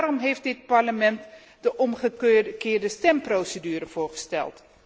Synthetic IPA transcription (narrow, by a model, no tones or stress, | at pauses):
ɾɔmɦejft̚dɪt̚paɹləmɛnt | dəʔɔmχəkɪːɹdəstɛmprowsədyːrəv̥ʊːɹχə̥stɛ̰lˠt